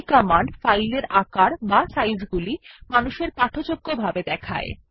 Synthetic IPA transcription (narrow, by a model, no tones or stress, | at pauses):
kɔmaɳɖfajleɾakaɾbasajzɡulimanuʃeɾpaʈʰot͡ɕoɡːobʱabed̪ɛkʰa̰e